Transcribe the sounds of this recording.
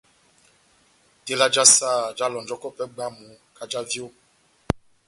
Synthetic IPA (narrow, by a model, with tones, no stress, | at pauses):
te˦la˦d͡ʒa˦saː˦˨d͡ʒa˦lɔ˨nd͡ʒɔ˦kɔ˦pɛ˦ɡ͡ba˦mu˨˦ | ka˦d͡ʒa˦vjo˦˨